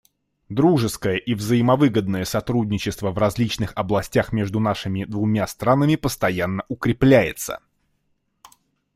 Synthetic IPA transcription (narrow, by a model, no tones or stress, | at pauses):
d̪ɾuʐɨskəjəʔivzəjɪmɐvɨɡəd̪̚nəjəsɐt̪ɾudʲnʲɪt͡ɕɪst̪vəvrɐzʲlʲit͡ɕnɨxɐblˠɐsʲtʲaxmʲe̞ʐd̪ʊnaʂɨmʲɪd̪vʊmʲast̪ɾanəmʲɪpəst̪ɐjanːəʔʊkɾʲɪplʲæjɪt̪sə̰